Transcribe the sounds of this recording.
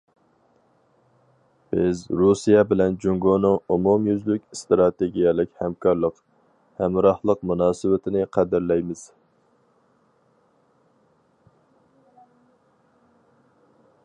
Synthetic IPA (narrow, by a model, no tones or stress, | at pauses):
b̥ɪzɾusijɛbɪlɛnd͡ʒuŋɡonɨŋumumjyzlykʲst̪ɾɑt̪eɡʲijɛlˠɪkʲhɛmkʰɑɾlˠəq | hɛmɾɑhlˠəqmunɑːsɨwɪt̪ʰɪnɪqʰɛd̪ɪɾlɛjmɪz̥